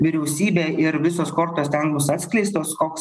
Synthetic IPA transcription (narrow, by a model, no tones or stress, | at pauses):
ʋʲɪɾʲɛʊsʲiːbʲeːɪɾʋʲɪsoːskoːɾt̪oːst̪ʲɛŋbʊsɑːt̪ʲsʲkʲlʲɛɪst̪oːskoːks